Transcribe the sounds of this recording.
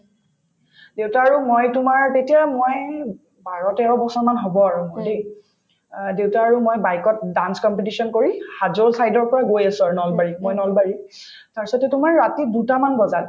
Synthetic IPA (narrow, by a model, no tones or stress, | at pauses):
dewtaːɹumojtʊmaɹtetijamoj | baɹɔtɛɹɔbɔsɔmanɦobɔaɹude | dewtaːɹumojbajkɔt̚danskɔmpet̬isɔnkoɹihazolsajdɔɹpɔɹaɡojasʊaɹnɔlbaɹimojnɔlbaɹi | taɹsɔtɛtʊmaɹːatidutamanbɔza